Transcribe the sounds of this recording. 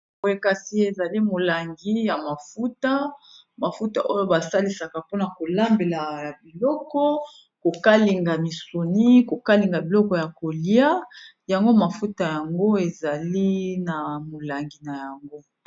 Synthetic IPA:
o˨e˦ka˦si˦e˨za˨li˦mo˨la˨ŋɡi˦ja˨ma˨fu˦ta˦ | ma˨fu˦ta̰˨ʔo˦jo˦ba˨sa˦li˨sa˨ka˨po˦na˨ko˨la˦mbe˨la˨a˨bi˨lɔ˦kɔ˦ | ko˨ka˦li˨ŋɡa˨mi˨so˨ni˦ko˨ka˦li˨ŋɡa˨bi˨lɔ˦kɔ˨ja˨ko˨li˦a˦ | ja˨ŋɡo˦ma˨fu˦ta˨ja˨ŋɡo˦e˨za˨li˦na˨mo˨la˨ŋɡi˨na˨ja˨ŋɡo˦

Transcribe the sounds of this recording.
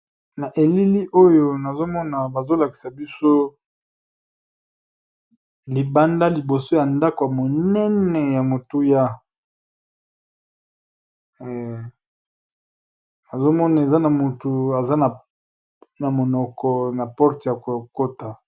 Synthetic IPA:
na˨ʔe˨li˦li˦ʔo˦jo˦na˨zo˦mɔ˦na˨ba˨zo˦la˨ki̥˨sa˨bi˦so˦ | li˨ba˦nda˦li˨bo˨so˦ja˨nda˦ko˨ja˨mo˨nɛ˦nɛ˨ja˨mo˨tu˦ja˦˨ | na˨zo˦mɔ˦na˨e˨za˦na˨mu˨tu˨a˨za˦na˨ | na˨mo˨nɔ˨kɔ˨na˨pɔ˦ʁtja˨ko˨ko˦ta˨

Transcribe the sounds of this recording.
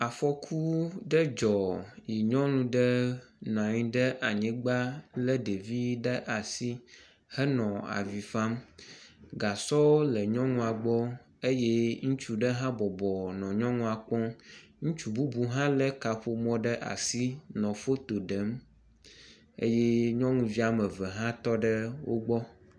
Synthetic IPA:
a˨fɔ˦kʰu˦ɖə˦d͡ʒɔ˨ji˨ɲɔ̃˦nũ˦ɖɛ˦nã˨ɲĩ˨ɖɛ˦ʔa˨ɲĩ˦ɡ͡ba˦lə˦ɖe˨vi˦ɖə˦ʔa˨si˦ | hɛ˦nɔ̃˨a̰˨vi˨fa˦m | ɡa˨sɔ˦lɛ˨ɲɔ̃˦ŋũ˦a˨ɡ͡bɔ˦ | e˦je˦ŋũ˦t͡ʃu˨ɖə˦ɦã˦bɔ˨bɔ˨nɔ̃˨ɲɔ̃˦ŋũ˦a˨k͡pɔ̃˦ŋũ˦t͡ʃu˨bu˦bu˦ɦã˦lə˦ka˨ɸo˦mɔ̃˦ɖə˦ʔa̰˨si˦nɔ̃˨fo˦t̪o˨ɖə˨˦m | ḛ˦je˦ɲɔ̃˦ŋũ˦vi˦a˨mə˨vɛ˨ɦã˦t̪ɔ˦ɖə˦wʔo̰˦ɡ͡bɔ˦

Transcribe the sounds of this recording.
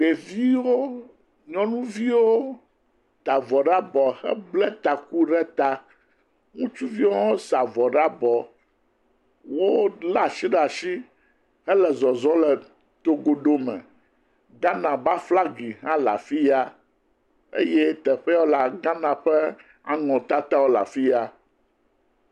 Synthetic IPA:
ɖe˨vi˦wo˦ | ɲɔ̃˦nũ˦vi˦wo˦ | t̪a˨vɔ˨ɖa˦bɔ˨hɛ̰˦blɛ˦t̪a˨ku˦ɖɛ˦t̪a˦ | ŋũ˦t͡ʃu˦vi˦wo˦o˦sa˨vɔ˨ɖa˦bɔ˨ | wo˦la˨ʃi˦ɖa˨ʃi˦ | hɛ˦lɛ˨zɔ˨zɔ̃˦lɛ˨ | t̪o˦ɡo˦ɖo˦mɛ̰̃˨ | ɡã˦nã˨ba˦fla˦ɡi˨ɦã˦la̰˨fi˦ja˦ | ḛ˦jɛ˦t̪ɛ˨ɸɛ˦wo˦la˨ɡã˦nã˨ɸɛ˦ | a˦ŋɔ̃˨t̪a˦t̪a˦wo˦la̰˨fi˦a˦

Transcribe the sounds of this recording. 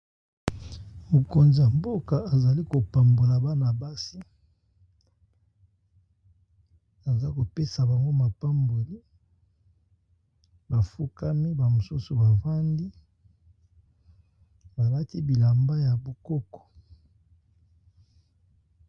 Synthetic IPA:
mo˨ko˨nza˨mbo˦ka˨a˨za˨li˦ko˨pa˨mbo˨la˨ba˦na˨ba˦si˦ | a˨za˦ko˨pe˦sa˨ba˨ŋɡo˦ma˨pa˦mbo˨li˦ | ba˨fu˦ka˦mi˦ba˨mo˨su˦su˨ba˨va˦ndi˦ | ba˨la˦ti˦bi˨la˨mba˦ja˨bu˨kɔ˦kɔ̥˨

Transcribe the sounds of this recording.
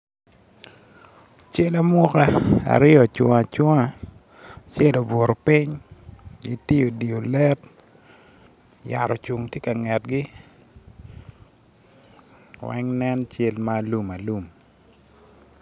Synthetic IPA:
t͡ʃe˦la˦mʊ˦ka˦a̰˨ɾɪ˦ɔ˨t͡ʃwɔ̰˨ŋa˨t͡ʃɔ˦ŋa˦ | t͡ʃe˦lo˨bo˨ɾo˨pɪ˦ɲ | ɡi˦ti˦jo˨di˨o˨lɛ˦t | ja̰˨ɾɔ˨t͡ʃu˨ŋtje˦ka˨ŋɛ˨t̚ɡɪ˦ | wɛ̰˦ŋnɛ˦nt͡ʃe˦lma˦lu˦ma˨lu˦˨m

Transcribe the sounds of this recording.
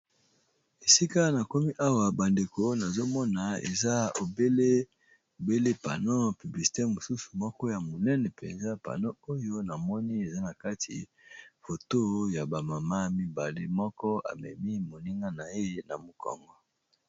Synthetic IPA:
e˨si˦ka˦na˨ko˦mi˦ʔa˦wa˨ba˨nde˨ko˦na˨zo˦mɔ˦na˨ḛ˨za˦o˨be˦le˦ | o˨be˦le˦pa̰˨no˦py˨bli˨si̥˨te˦mo˨su˦su̥˨mɔ˦kɔ˦ja˨mo˨nɛ˦nɛ˨pɛ̰˨nza˦pa̰˨no˦o˦jo˦na˨mɔ˦ni˦e˨za˦na˨ka˦tʰḭ˨ | fo˨to˦ja˨ba˨ma˨ma˦mi˦ba˨le˦mɔ˦kɔ˦a̰˨mɛ̰˨mi˦mo˨ni˦ŋɡa˦na˨je˦na˨mo˨kʰɔ̰˨ŋɡɔ˦

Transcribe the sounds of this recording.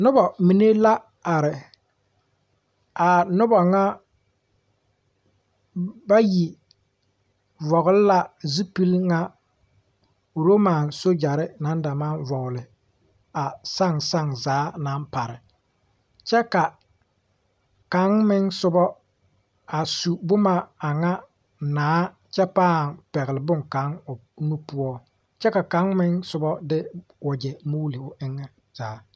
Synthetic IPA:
nʊ˦bɔ˨mi˨ne˦la˦ | a˨ɾɪ˨ | a˨nʊ˦bɔ˨ŋa˦ | ba˦ji˨ | vɔ˨ɣʊ˦lɪ˦la˨zi˦pi˦lŋa˦˨ | ɾo˦ma˨nso˦d͡ʒa˨ɾɪ˦na˨˦n˦da˨ma˦˨nvɔ˨ɣʊ˨lɪ˨ | a˨sa˦˨ŋsa˦ŋzaː˨˦na˦npa˨ɾɪ˨ | t͡ʃɛ˦ka˨ | ka˨˦ŋmɪ˦ŋsʊ˦bɔ˦ | a˨su˨bʊ˦ma˦a˨ŋa˦ | naː˨˦ | t͡ʃɛ˦paː˦˨ŋpɛ˨ɣɪ˨lɪ˨bʊ˦ŋka˨˦ŋʊ˨nu˦pʊ˦ɔ˦ | t͡ʃɛ˦ka˨ka˨˦ŋmɪ˦ŋsʊ˦bɔ˦dɪ˦wɔ˨d͡ʒɛ˨mu˦li˨ʊ˨ʔɪ˦ŋːɛ˦ | z̥aː˨˦

